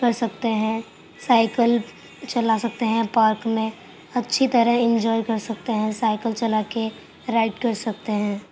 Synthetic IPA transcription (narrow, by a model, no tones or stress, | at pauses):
kəɾsək̚t̪eɦɛ̃ | saːɪkəl | t͡ʃəlasək̚t̪eɦɛ̃paːɾkmẽ | ɐtːʃʰit̪əɾə̃ɪ̃nd͡ʒɔːɪkəɾsək̚t̪eɦɛ̃saːɪkəlt͡ʃəlake | ɾaɪʈkəɾsək̚t̪eɦɛ̃ː